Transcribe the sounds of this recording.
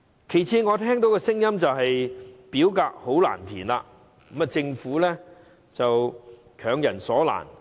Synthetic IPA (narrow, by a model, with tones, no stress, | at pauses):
kʰe˨˩jt͡sʰiː˨˧ŋɔː˨˧t̪ʰɛː˥ŋt̪̬o˨˥wkɛ˧sɪ˥ŋjɐ˥mt͡sɐ˨wɦɐ˨jpiː˨˥wkaː˧k̚ho˨˥wla̰ː˨˩nt̪ʰiː˨˩nlaː˧˨˥ | mɐ˨t͡sɪ˧ŋfuː˨˥lɛː˥ | t͡sɐ˨w | kʰœː˨˩ŋjɐ˨˩nsɔː˨˥la̰ː˨˩n